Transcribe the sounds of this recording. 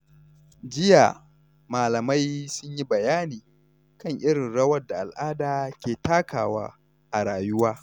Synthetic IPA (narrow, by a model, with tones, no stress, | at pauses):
d͡ʒɪ˦ja̰ː˨ | maː˨lɐ˨ma˦jsʊ˦ɲji˦bɐ˨jaː˦niː˨ | kɐ˦ŋʔɪ˦ɽɪ˨nɽɐ˦wɐ˦rda˨ʔa˨lʔaː˦daː˨kʲeː˨taː˦kaː˨wa̰ː˦ | ʔa˨ɽaː˨jʊ˦waː˦